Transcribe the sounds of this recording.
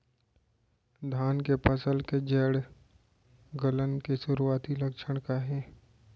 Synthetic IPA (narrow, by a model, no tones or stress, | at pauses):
d̪ʱaːnkepəsəlked͡ʒɛːɽ | ɡələnkeʃʊɾuaːt̪ilɐkʃʰəɽ̃kaɦɛː